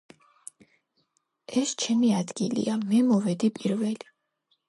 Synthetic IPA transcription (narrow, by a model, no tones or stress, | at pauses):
ɛst͡ʃʰɛmiad̪ɡ̥ilḭamɛmɔvɛd̪ipʼiɾvɛli